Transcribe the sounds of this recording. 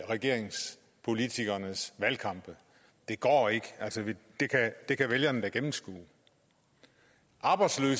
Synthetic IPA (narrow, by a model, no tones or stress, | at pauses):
ʁɛɡ̥e̝ɐ̰e̝ŋs | pʰo̝lit͡sʰiɡ̥ɐnəsʋælkʰɑ̈mb̥ə | d̥e̝ɡ̥ɒ̰ːe̝ɡ̥əælsəʋed̥e̝kʰæd̥e̝kʰæʋeljɐnd̥æɡ̥emm̩sɡ̥ṵː | ʔɑ̈ːb̥ɑ̈ɪd̥slø̰ːs